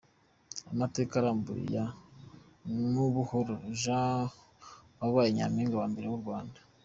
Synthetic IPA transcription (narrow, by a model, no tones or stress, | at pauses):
amate̞ːkaɾaːmbṵɾḭja | nuβuhoɾoʒa | waβaːjeɲa̰miːŋɡawaːmbe̞ɾewuɾɡwaːnda